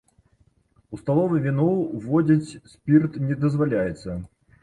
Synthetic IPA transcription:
ust̪alˠɔvɨvʲɪnɔvɔdʲit͡sʲsʲpʲirt̪nʲɛd̪əzvalʲajɛt̪sə

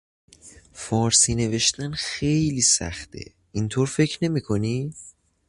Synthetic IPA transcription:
fɒːɾsiːne̞ve̞ʃt̪ænxejliːsæ̰χt̪ʰḛ | int̪ʰoːɾfe̞cʰɾne̞miːkʰo̞niː

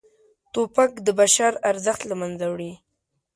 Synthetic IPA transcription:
t̪opak̚d̪əbaʃaɾaɾzəxt̪lamanzawɽi

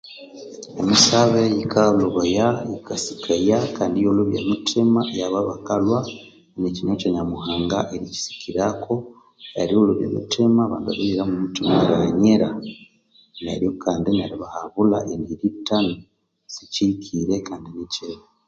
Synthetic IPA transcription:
emisaβejikʰaloβojajikasi̥kʰajakaːndijoluβjemutʰimajaβaβakalwa | nicinoceɲamuhaːŋɡaʔeɾici̥si̥kiɾakʰo̞ | a̰ɾioluβjḛmṵtimaβaːndiβa̰βiɾiɾamumutimaɾaɲeɾa | nḛɾjokʰaːndinaɾiβahaβula̰ʔeniɾitano | sicikʰiɾekaːndiniceβa

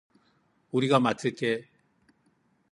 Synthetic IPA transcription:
uɾiɡamat͈ʰɯɭt͈e

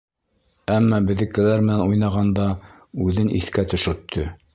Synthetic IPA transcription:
æmːɑbɘ̆ðɘ̆kɘ̆læɾmɘ̆nænujnɑʁɑnd̪ɑ | ʉðɘnʔḭθkæt̪ɵ̆ʃɵ̆ɾt̪ʰːɵ

